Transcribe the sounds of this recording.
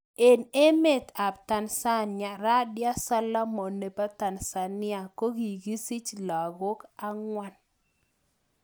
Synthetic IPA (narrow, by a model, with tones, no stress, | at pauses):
e˨ne˦me˦˨t̪a˨b̚ta˨nsa˦nɪa˨ɾa˦dja˦sa˦la˦mɔ˨ne˨pa˦t̪a˨nsa˨nɪ˦a˨ko˦ɡi˨ɡi˦si˦t͡ʃla˨ɡo˦ka˦ŋwa˦n